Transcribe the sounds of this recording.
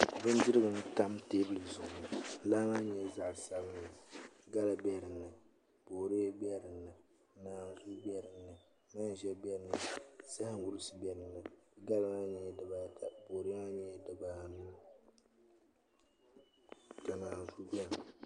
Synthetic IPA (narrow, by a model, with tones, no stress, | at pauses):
bɨ˦n˦dɪ˦ɾɨ˦bɨ˨n˦ta˦mteː˦bɨ˦lɨ˨zʊ˨ʊ˨nɨ˨˦laː˦ma˦ɲɛ˦za˦ʔsa˨bɨ˦nːɨ˨ɡa˦la˨bɛ˦˨ɾɨ˨nːɨ˨ | b̥oː˨ɾi˦bɛ˦˨ɾɨ˨nːɨ˨˦ | naː˨n˨zu˦bɛ˦ɾɨ˨nːɨ˨ | maː˦n˨ʒɛ˦bɛ˦ɾɨ˨nːɨ˨sa˦hɨ˦ŋ˦wu˦ɾɨ˦sɨ˨bɛ˦ɾɨ˨nːɨ˨ɡa˦lɨ˦ŋa˦ɲɛ˨ɛ˨dɨ˨baː˦˨tʰa˨bo˨ɾɨ˦a˦ɲɛ˦˨dɨ˨baː˦˨n˦ | ka˨naː˨n˨zu˦bɛ˦ɾɨ˨